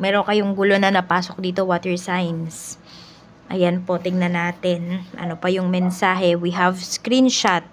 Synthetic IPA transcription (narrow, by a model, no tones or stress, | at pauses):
mɛːɾokɐjoŋɡʊlo̞nɐnɐpaːsok̚d̪iːt̪o̞waːt̪ɛɹsajns | ʔɐ̰janpo̞t̪ɪɡnɐnaːt̪ɛnʔɐ̰nopɐjʊŋmɛnsaːɦɛwiɦɐvskɾinʃat̪̚